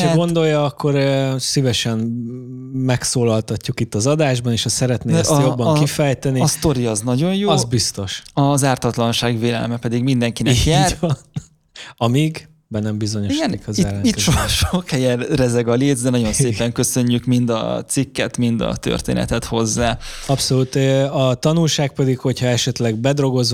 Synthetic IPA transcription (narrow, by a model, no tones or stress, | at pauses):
aɡo̞nd̪o̞jːɒɒkːo̞ɾsivɛʃɛn | mɛksoːlɒlt̪ɒcːukit̪ːɒzɒd̪aːʒbɒneːʃɒsɛɾɛt̪neːjobːɒkifɛjt̪ɛniːst̪o̞ɾiɒznɒɟo̞njozbist̪o̞ʃɒzaːrt̪ɒt̪lɒnʃaːɡveːlɛ̰lmɛpɛd̪iɡmind̪ɛŋkinɛkjaːrn | ɒmiɡ | bɛnɛmbizo̞ɲoiʃɡɛnkziɛɾɛnit̪ːʃɒʃokhɛjɛnrɛzɛɡɒleːd̪zd̪ɛnɒɟo̞nseːpɛŋkø̞sø̞ɲːykmind̪ɒ̰t̪sikːɛt̪mind̪ɒ̰t̪ø̰rt̪ḛːnɛ̰t̪ɛt̪ho̞zːaːɒpso̞lut̪øɒt̪ɒnulʃaːk̚pɛd̪ikho̞chɒɛʃɛt̪lɛɡ̚bɛd̪ro̞ɡo̞z